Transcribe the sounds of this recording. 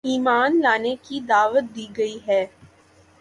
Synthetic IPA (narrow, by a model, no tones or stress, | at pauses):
iːmaːnlaːneːkiːd̪aːʋət̪̚d̪iːɡəiːɦɛː